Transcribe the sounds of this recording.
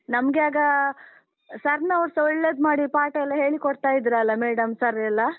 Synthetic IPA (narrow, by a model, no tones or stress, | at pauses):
nɐmɡeaːɡɐ | sɐɾnɐːʋɾsɔɭːed̪maːɽipaːʈɐɛlːɐɦe̞ːɭikoɽt̪aːjid̪ɾuɐlːɐmeːɽɐmsɐɾɛlːɐ